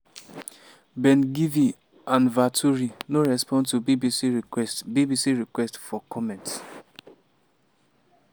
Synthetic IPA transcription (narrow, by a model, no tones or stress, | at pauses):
bɛ̃nɡivi | ãnvatʰuɾinoɹɛspɔ̃ntubibisiɹiɛstbibisiɹikwɛstfɔkɔmɛ̃nts